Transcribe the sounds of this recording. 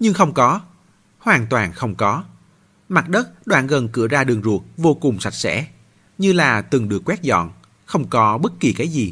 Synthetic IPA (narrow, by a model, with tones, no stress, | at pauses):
ɲɨ˧ŋxə˧wŋ͡mkɔ˨˦ | hwaː˨˩nt̪waː˨˩nxə˧wŋ͡mkɔ˨˦ | ma˨˩t̚ɗə˦˥t̚ɗwaː˧˨nɣə˨˩nkɨ̰˧˩əzaː˧ɗɨ˨˩əŋzu˨˩ək̚vo˧kʊ˨˩ŋ͡msa˨˩j̚sɛ̰˧˥ | ɲɨ˧laː˨˩t̪ɨ˨˩ŋɗɨ˨˩əkːwɛ˦˥t̚zɔ̰˧˨n | xə˧wŋ͡mkɔ˨˦ɓə˦˥t̚ki˨˩kaː˨˦jzi˨˩